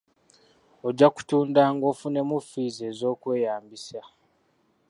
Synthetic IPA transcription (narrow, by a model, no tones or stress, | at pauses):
o̞ɟːaku̥tuːndaːŋɡo̞ːfune̞mufize̞ːzo̞ːkwe̞ːjaːmbisa